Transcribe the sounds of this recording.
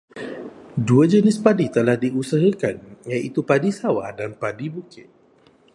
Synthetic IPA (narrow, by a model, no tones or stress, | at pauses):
duad͡ʒənɪspadit̪əlahdiʔusəɦəkanjaʔit̪upadisawa̰danpadibukɪt̪̚